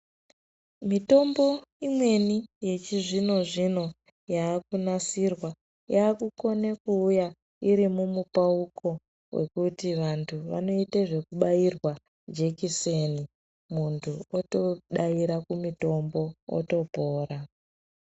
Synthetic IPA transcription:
mito̞mbo̞imwe̞nije̞t͡ʃiʐino̞ʐino̞ | jaːkunasirwa | jaːkuko̞nekuːja | iɾimumupaukʰo̞ | we̞̰kutiʋantʰuʋa̰no̞iteʐe̞kuɓairwa | d͡ʒe̞kiseni | muntʰuotoɗaiɾakumito̞mbo̞o̰to̞bʱoːɾa

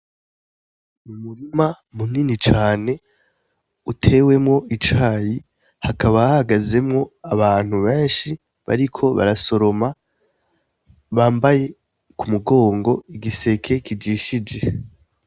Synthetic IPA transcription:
mumuɾima | munniːnit͡ʃaːne̞ | utʰe̞we̞mŋo̞ʔit͡ʃaːji | hakʰaβaahaɡaze̞mŋo̞aβaːn̥huβe̞ːnʃi | βa̰ɾikʰo̞βa̰ɾaso̞ɾo̞ma | βaːmbaje̞ | kumuɡo̞ːŋɡo̞iɡise̞kʰe̞kid͡ʒiːʃid͡ʒe̞

